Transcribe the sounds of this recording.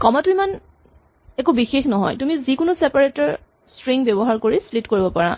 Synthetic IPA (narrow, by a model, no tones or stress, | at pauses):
kɔmatuɹiman | ɛkubixexnɔɦɔ̰jtumizikʊnʊsepaɹetɔɹ | stɹiŋɡbebɔɦaɹkoɹislitkoɹibɔpaɹa